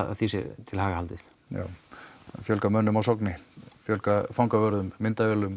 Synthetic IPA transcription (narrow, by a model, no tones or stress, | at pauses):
θisɪ̰t̪ʰɪlhaːɣahalt̪ɪθ | ja̰ːwfjœlkamœnːʏmawsɔknɪfjœlkafawŋkavœɾðʏmːɪnt̪avɛlʏm